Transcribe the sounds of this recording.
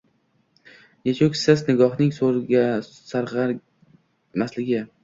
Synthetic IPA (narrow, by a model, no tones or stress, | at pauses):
jet͡ʃʰokʲsɪsnɪɡɒχnɪŋsoɾɡʲa | saɾʁɑ | maslɪɡʲɪ